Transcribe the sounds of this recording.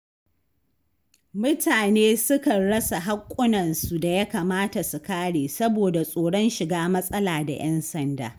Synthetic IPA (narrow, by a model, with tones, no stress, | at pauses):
mʊ˦taː˨neː˦sʊ˦kɐ˨nɽɐ˦sa˨ɦa˦kʷʼːʊ˦nɐ˨nsu˨da˨ja˦kaː˨maː˦ta˨su˨kaː˦ɽeː˨sɐ˦boː˨da˨sʼoː˨ɽɔ˦nʃɪ˨ɡaː˦mɐ˦sʼɐ˦laː˨da̰˨j̰ʔɛ˦nsɐ˨nda̰ː˨